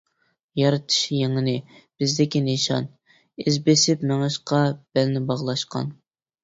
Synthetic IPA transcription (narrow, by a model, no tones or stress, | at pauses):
jɑɾɨt̪ʰɨ̥ʃjeŋɪnɪb̥ɪzd̪ɪkʲineʃɑ̰n | ɪzbesɪpmɛŋɨʃqʰɑb̥ælnɪbɑʁlˠɑʃqɑ̰n